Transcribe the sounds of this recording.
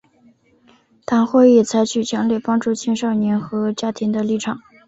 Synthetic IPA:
t̪ʰa˧˥ŋxwe˥˧ɪi˥˩t͡sʰa˧˥ɪt͡ɕʰy˨˩t͡ɕʰjɑ˧˥ŋljɛ˥˩pɑ˥ŋʈ͡ʂu˥˩t͡ɕʰɛ˥nʂɑ˥˩ʊnɛ˧˥nxɤ˧˥t͡ɕja˥t̪ʰi˧˥ŋd̪ə˧li˥˩ʈ͡ʂʰɑ˨˩˦ŋ

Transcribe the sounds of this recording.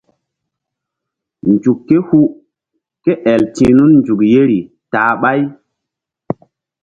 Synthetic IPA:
nd͡ʒu˨kːe˦hu˦ | ke˦ʔɛ˨ltḭ̃ː˨˦nu˦nnd͡ʒu˨kje˦ɾi˨ | taː˨ɓa˦j

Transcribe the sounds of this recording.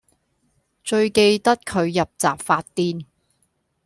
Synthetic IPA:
t͡ʃɵ˧ɥke˧jt̪ɐ˥t̚kʰɵ˨˧ɥjɐ˨p̚t͡sa̰ː˨pfaː˧t̚t̪iː˥n

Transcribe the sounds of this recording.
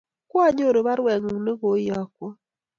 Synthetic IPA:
kwa˦ɲo˦˨ɾe˨βa˦ɾwɛ˨ŋu˨ne˦ɣo˨˦jɔ˦˨kwo˦

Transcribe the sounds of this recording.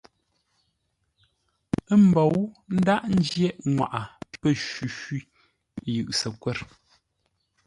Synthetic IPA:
m̩˨bɔ˨wn̩˦da˦ʔn̩˦d͡ʒjɛ˦ʔŋwa̰˨ʔa˨pə˦˨ʃwʉ˨ʃwi˦˨ | jʉ˨ʔsə˨kwɛ˦˨ɾ

